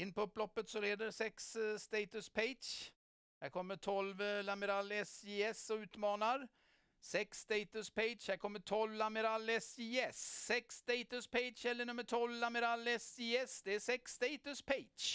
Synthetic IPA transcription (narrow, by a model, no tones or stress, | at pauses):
ɪnːpʰɔɵpːlɔpːət̪sɔleːd̪əɾsɛksst̪eɪt̪ɵspʰeɪʃ | hæɾkʰɔmːəʈʰɔlvlaməɾalːəsɪɛsɔʉ̟ːt̪mɑːnaɾ | sɛkst̪eɪt̪ɵspeɪdʃhæɾkʰɔmːəʈʰɔlvlamɛɾalːəsɪjɛsːɛksːt̪eɪt̪ɵspʰeɪdʃɛlːəɳɵmːəʈʰɔlvlaməɾalːəsɪjɛsd̪ɛæsɛksːt̪eɪt̪ɵspʰeɪt͡ʃ